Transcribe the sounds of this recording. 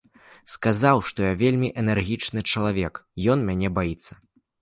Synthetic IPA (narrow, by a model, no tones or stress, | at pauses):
skazawʂt̪ɔjavʲelʲmʲiʔɛnɛrɣʲit͡ʂnɨt͡ʂɐlˠavʲɛkjɔnmʲanʲɛbajit̪sːɐ